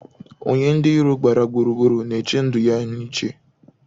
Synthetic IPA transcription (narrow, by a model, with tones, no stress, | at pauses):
o̰˨ɲe˦n̩˦dɪ˦i˦ɾu˦ɡ͡ba˨ɾa˨ɡ͡bu˨ɾu˨ɡu˦ɾu˨ne˨t͡ʃe˦n̩˦dʊ˨ja˦ni˦t͡ʃe˦